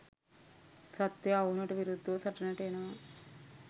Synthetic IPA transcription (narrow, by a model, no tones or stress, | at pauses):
sɐt̪ːjɐɐwnɐʈuʋiɾud̪ʱːɐʋɐsɐʈːɐnɐʈːeːnɐ